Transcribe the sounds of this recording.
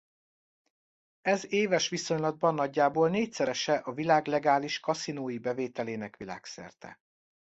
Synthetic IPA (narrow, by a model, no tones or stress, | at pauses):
ɛzeːvɛʃʋiso̞ɲlɒd̪̚bɒnːɒɟːaːboːlneːcsɛɾɛʃɛʔɒvilaːɡlɛɡaːliʃkɒsinoːjibɛveːt̪ɛleːnɛkʋila̰ːksɛ̰rt̪ɛ̰